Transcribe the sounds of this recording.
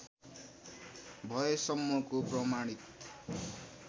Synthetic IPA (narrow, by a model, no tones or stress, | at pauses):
bʱʌesʌmːʌkoprʌmaɽ̃it̪